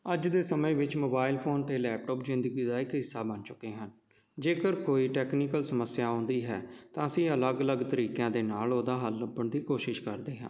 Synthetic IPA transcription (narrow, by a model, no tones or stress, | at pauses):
əd͡ʒd̪eːsəmẽːʋɪt͡ʃmoːbaːɪlpʰoːnt̪eːlɛːp̚ʈɔːpzɪnd̪əɡiːd̪aːɪkɦɪsːaːbənt͡ʃʊkːeːɦən | d͡ʒeːkəɾkoːiːʈɛːkniːkəlsəməsɪjaːʊ̃ːnd̪iːɦɛːt̪ãːəsĩːələɡələɡt̪əɾiːkjãːd̪eːnaːloːd̪aːɦəlːəbəɳd̪iːkoːʃɪʃkəɾd̪eːɦã̰ː